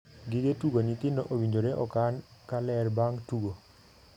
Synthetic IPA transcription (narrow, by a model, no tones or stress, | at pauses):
ɡɪɡetuɡonit̪ɪndoʔowiɲd͡ʒoɾeʔɔkankalɛrbaŋtuɡo